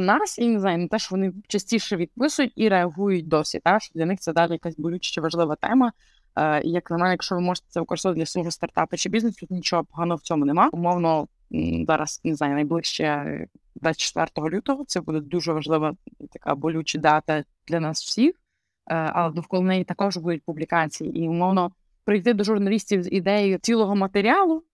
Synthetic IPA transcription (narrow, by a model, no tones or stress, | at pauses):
nɑsineznɑjnɛt̪ɛʃɔʋɔnɪt͡ʃɐsʲtʲiʃɛʋʲid̪̚pɪsʊjʊtʲiɾeɐɦujʊt̚ʲd̪ɔsʲḭt̪aʃɔd̪lʲɐnɪxtsɛd̪ɑlʲɪjɐkasʲbɔlʲut͡ʃɐ̥t͡ʃɪʋɐʒlˠɪʋɐt̪ɛ̰mɐ | ḭjɐknɐmɛnʲjɐkʃt͡ʃɔʋɪmɔʒə̥t̪e̥sɛʋɪkɔɾɪsɔʋɐdʲlʲɐsˠɔɦɔst̪ɐrt̪ɑpɪt͡ʃɪbʲiznest̪ut̪nʲit͡ʃɔɦɔpɔɦɑnɔɦɔwt͡sʲɔmʊnemɑʊmɔwnɔ | zɑɾɐ̰snezɑajnɐjblˠɪʃt͡ʃɛ̰d̪ʋat͡sʲːt͡ʃːɛ̥t̪ʋɛ̰rt̪ɔɦɔlʲut̪ɔɦɔt̪sɛbud̪ɛd̪uʒɛʋɐʒlˠɪʋɐt̪ɐka̰bɔlʲut͡ʃɪd̪ɑt̪ɐ | d̪̥lʲɐnɑsw̥sʲix | ʔɐ̰lˠɛd̪ɔwkɔlˠɔnɛjit̪ɐkɔʒbud̪ʊt̚ʲpublʲikɑt͡sʲijḭʔiʊmɔwnɔ | pɾɪjt̪ɪd̪ɔʒʊrnɐlʲisʲtʲiwzid̪ɛjojʊt͡sʲilˠɔɦɔmɐt̪eɾʲiɑlˠʊ